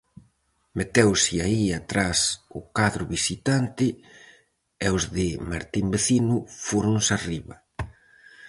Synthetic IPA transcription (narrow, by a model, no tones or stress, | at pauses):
met̪ɛwsɪaiat̪ɾasʊkaðɾʊβisit̪ant̪ɪ | ɛozðɪmaɾt̪imbeθinʊfoɾʊŋsariβɐ